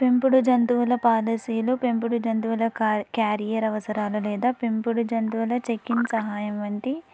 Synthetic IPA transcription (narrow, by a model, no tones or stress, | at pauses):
pempuɽud͡ʒɐnt̪uʋulɐpaːlɐsijulupempuɽud͡ʒɐnt̪uʋulɐkaːɾijɐɾɐʋɐsɐɾaːlulɛːd̪aːpempuɽud͡ʒɐnt̪uʋulɐt͡ʃekːinsɐɦaːjɐmʋɐnt̪i